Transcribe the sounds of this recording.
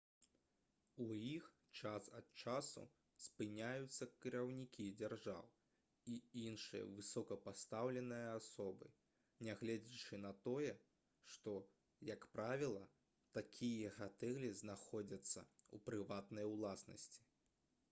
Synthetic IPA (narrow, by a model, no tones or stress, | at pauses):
ujix | t͡ʂasɐt̪̚t͡ʂasṵ | spɨnʲajut̪sːɐkʲiɾawnʲikʲid͡zʲarʐa̰w | iinʂɨ̰jɐ̰vɨsɔkɐpast̪awlʲɛnɨjɐasɔbɨ̰ | nʲɛɣlʲɛd͡zʲit͡ʂɨnɐt̪ɔjɛ | ʂt̪ɔ | jɐkpɾavʲilˠɐ | t̪akʲʰijɐɣat̪ɛɣlʲiznaxɔd͡zʲɐt̪sːɐ̰ṵpɾɨvat̪nɐjwlˠasnɐ̰sʲt͡sʲi̥